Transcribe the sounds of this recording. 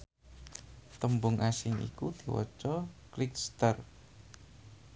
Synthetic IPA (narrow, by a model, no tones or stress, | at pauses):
t̪əmbʊŋʔasɪŋḭkud̪̥i̤wɔ̰t͡ʃɔklɪkst̪ər